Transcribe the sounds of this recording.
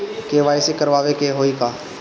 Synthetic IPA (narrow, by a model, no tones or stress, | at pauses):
keʋaːjsikəɾʋaːʋekeɦoːikaː